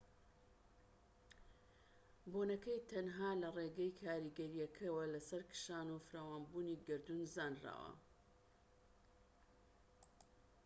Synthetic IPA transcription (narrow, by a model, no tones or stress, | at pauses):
bonɐkɐjt̪ʰɐnɦaːlɐreɡɐjkʰaːɾiɡɐɾijɐkʰɐwɐlɐsɐɾkɨ̥ʃaːnufɨɾaːwaːnbuːniɡɨɾd̪unzaːnra̰ːwɐ̰